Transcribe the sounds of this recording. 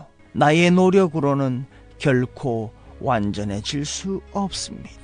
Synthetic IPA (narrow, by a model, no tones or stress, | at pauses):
nae̞noɾjʌɡɯɾonɯn | kjʌɭkʰowand͡ʑʌne̞t͡ɕiɭs͈uʌp̚s͈ɯmɲi̥a